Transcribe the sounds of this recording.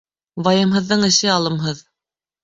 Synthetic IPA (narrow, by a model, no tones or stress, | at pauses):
βɑjɤ̆mɦɤ̆ðːɤɴɘ̆ʃɘɑlˠɤ̆mɦɤð